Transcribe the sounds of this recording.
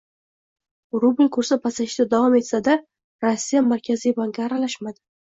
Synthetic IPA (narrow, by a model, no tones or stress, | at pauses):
ɾubɪlʲkʰɵɾsapʰasaʃt̪ad̪avɒme̞t̪sad̪a | ɾosːijamaɾkʲʰazijbaŋkʲaːɾalaʃmad̪ɪ